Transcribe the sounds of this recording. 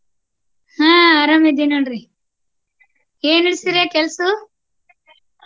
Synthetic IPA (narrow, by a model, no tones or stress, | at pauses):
hãːɐɾɐmid̪inɐɳɾi | eːniɽsiɾekelsu